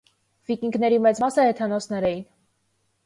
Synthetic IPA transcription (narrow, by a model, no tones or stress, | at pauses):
vikiŋɡnɛɾimɛt͡smɑsəhɛt̪ʰɑnɔsnɛɾɛjin